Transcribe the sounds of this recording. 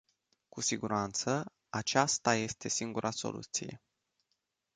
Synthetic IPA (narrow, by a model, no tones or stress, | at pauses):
kusiɡuɾant̪sə | at͡ʃast̪aje̞st̪e̞siŋɡuɾʔaso̞̰lʔṵt̪sije̞̰